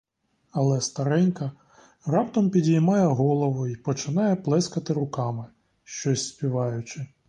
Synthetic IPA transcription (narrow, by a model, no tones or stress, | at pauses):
ɐlˠɛst̪ɐɾɛnʲkɐ | rɑpt̪ɔmpʲidʲijmɑjɛɦɔlˠɔʋʊipɔt͡ʃɪnɑjɛplˠɛskɐt̪ɪɾʊkɑmɪ | ʃt͡ʃɔsʲspʲiʋɑjʊt͡ʃɪ